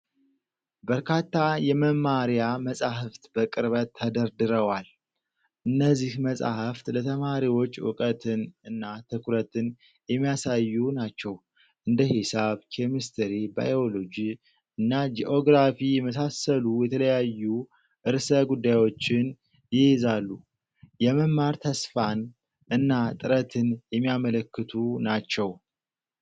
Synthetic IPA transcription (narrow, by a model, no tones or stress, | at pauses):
bəɾkʰat̪ːajɛməmaɾjaməsʼaɦɨft̪bəkʼɨɾβət̪ʰːəd̪əɾd̪ɨɾəwal | ʔɨnːəzːihməsʼa̰həft̪lət̪ʰəmaɾiwot͡ʃːʊ̰kʼət̪ʰɨnɨnːat̪ʰɨkʰuɾət̪ɨn | jɛmːijasajːunat͡ʃːɛw | ʔɨnd̪əhɪsaβkʰemist̪ʰəɾiba̰jo̞lo̞d͡ʒi | ɨnːad͡ʒiʔo̞ɡɾafijɛməsasːəlujɛt̪ʰələjajːu | ʔɨɾsəɡud̪ːajwo̞t͡ʃːɪn | jɪhezalːu | jɛməmmːaɾt̪ʰəsfan | ʔɨnːat̪ʼɨɾət̪ʰɨnjɛmːijamələkːɨt̪ʰunat͡ʃːɛw